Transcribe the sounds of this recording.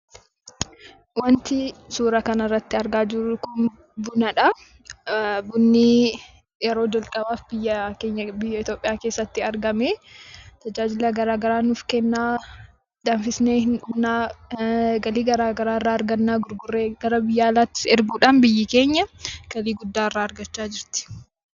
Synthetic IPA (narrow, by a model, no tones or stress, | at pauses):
wɐnt̪ɪsuːɾɐkɐnɐrːɐt̪ːɪɐɾɡaːd͡ʒɪɾʊkʊn | bʊnɐᶑɐ | bʊnːi | jɛɾo̞ːd͡ʒɐlkʼɐbaːfbɪjːɐke̞ːɲːɐbɪjːɐɪt̪joːpʼːɪjaːke̞ːsːɐt̪ːɪɐɾɡɐmeːt̪ɐd͡ʒaːd͡ʒɪlɐɡɐɾaːɡɐɾaːnʊfkɛnːaː | d̪̥ɐnfɪsneːhɪnʊbnaː | ɡɐliːɡɐɾaːɡɐɾaːrːaːɐɾɡɐnːaːɡʊɾɡʊrːeɡɐɾɐbɪjːaːlaːt̪ːɪ̥sɛɾɡuːᶑaːnbɪjːɪke̞ːɲːɐɡ̥ɐliːɡʊd̪ːaːrːaːɾɡɐt͡ʃːaːd͡ʒɪɾt̪ɪ̥